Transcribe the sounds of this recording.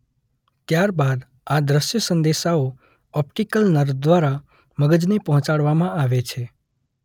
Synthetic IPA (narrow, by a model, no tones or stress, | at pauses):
t̪jaɾbad̪ | ad̪ɾəʃjəsə̃nd̪eʃao | ɔp̚ʈikəlnəɾd̪ʋaɾa | məɡəd͡ʒnepəɦɔ̃t͡ʃaɽʋamãaʋet͡ʃʰe